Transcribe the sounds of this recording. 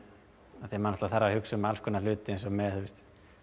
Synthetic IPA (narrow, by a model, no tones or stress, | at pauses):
aθiɛmanɔht̪laθaɾːahʏksʏmalskʰɔnal̥ʏːt̪ɪensɔmɛðθust̪